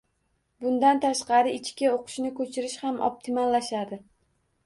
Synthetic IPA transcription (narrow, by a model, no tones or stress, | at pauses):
bʊnd̪ant̪ʰaʃqɑɾɪɪt͡ʃkʲaoqʰɨ̥ʃnɪkʰɵt͡ʃʰɪɾɪʃhamʔɒ̰p̚t̪ʰɪmalːaʃad̪ɪ